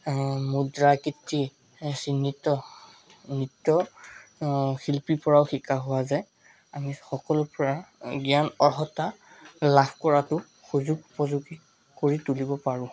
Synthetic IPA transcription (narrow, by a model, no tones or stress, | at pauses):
mudɹakitːi | sinːitɔ | nitɔ | xilpipɔɹaʊxikʰaɦʊwazɛ | amixɔkɔlʊpɔɹaɡianɔɹɦɔta | labʰkɔɹatʊ | xuzuɡupɔzuɡi | koɹitulibɔpaɹʊ̃